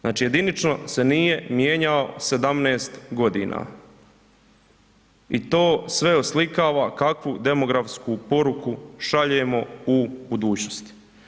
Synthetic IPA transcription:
znaːt͡ʃije̞d̪init͡ʃno̞senije̞mjeːɲaose̞d̪amneːst̪ɡo̞d̪iːnʔa̰ː | it̪oːsʋe̞oslikaːʋaːkakʋud̪e̞mo̞ɡɾafskupo̞ɾukuʃaʎeːmo̞ubud̪uːt͡ɕnost̪i̥

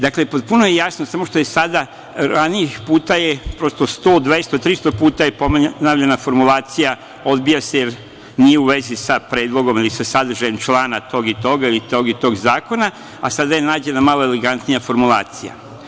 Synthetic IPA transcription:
d̪akle̞pot̪̚punojejasnosamo̞ʃt̪oje̞sad̪a | ɾaniixpuːt̪aje̞pɾo̞st̪o̞st̪o̞ːd̪ʋest̪ot̪ɾist̪opuːt̪aje̞pomnaːʋʎenafo̞ɾmulaːt̪sija | o̞d̪bijase̞jeɾ | nijeuʋe̞zisapɾe̞ːd̪lˠo̞ɡo̞milisasad̪ɾ̩ʒajemt͡ʃlˠaːnat̪o̞ːɡit̪o̞ɡailit̪o̞ːɡit̪o̞ːɡzaːko̞na | a̰sad̪aje̞naːd͡ʑe̞namaloeleɡant̪nijafo̞ɾmulˠa̰ːt̪sija̰

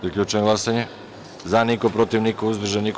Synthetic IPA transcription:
pɾikʎʲut͡ʃɛɡlˠasaɲɛ | zanikopɾot̪ivnikouzb̪r̩ʒanik

